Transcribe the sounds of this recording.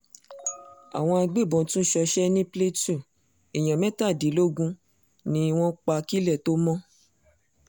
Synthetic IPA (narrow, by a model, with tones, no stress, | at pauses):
a̰˨w̃ɔ̃˧a˧ɡ͡be˦˨bɔ̃˨˦tũ˦ʃɔ˧ʃɛ˦nĩ˦ple˦tu˦˨ | e˨j̃ã˨mɛ̃˦ta˦˨di˨˦lo˦ɡũ˧ | nĩ˧˦˧w̃ɔ̃˦k͡pa˧ki˦lɛ˦˨to˦mɔ̃˦